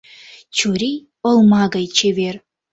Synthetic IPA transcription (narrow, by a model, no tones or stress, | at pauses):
t͡ɕuɾʲij | ɤ̆lˠmɑɡɑjt͡ɕeβʲer